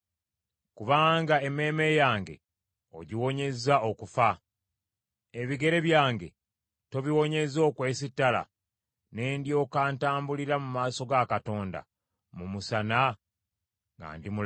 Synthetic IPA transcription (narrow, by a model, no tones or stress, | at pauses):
kuβaːŋɡae̞me̞ːme̞jaːŋɡe̞̰ | o̰ɟiwo̞ɲe̞zao̞kufa | e̞βiɡe̞ɾe̞βjaːŋɡe̞̰ | to̞βiwo̞ɲe̞zo̞ːkwe̞ːsitːala̰ | ne̞ːndjo̞ːkaːntaːmbuliɾamumaːso̞ɡakato̞ːnda̰ | mumusana | ŋɡa̰ːndimu